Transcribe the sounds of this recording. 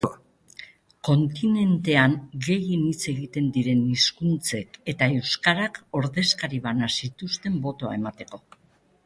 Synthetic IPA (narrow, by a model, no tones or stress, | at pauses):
ko̞nt̪ine̞nt̪e̞aŋɡe̞jinit͡se̞ɣit̪e̞nd̪iɾe̞niskunt͡se̞ke̞t̪ae̞wskaɾako̞ɾðe̞skaɾiβanasit̪ust̪e̞mbo̞t̪o̞a̰e̞mat̪e̞ko̞